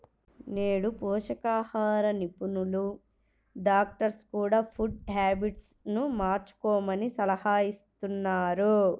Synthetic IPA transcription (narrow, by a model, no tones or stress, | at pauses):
neːɽupɔːʃɐkaːhaːɾɐnipunulu | ɖaːk̚ʈɐɾskuːɽaːpʰuɖhaːbiʈsnumaːɾt͡ʃu̥kɔːmɐnisɐlɐhaːjist̪unːaːɾu